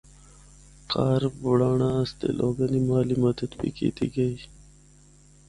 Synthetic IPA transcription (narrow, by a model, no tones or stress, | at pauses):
qɑːɾbuɽaːɳast̪ḛlʔoːɡənimɑːlimɐd̪ət̪pḭkḭt̪ḭɡəj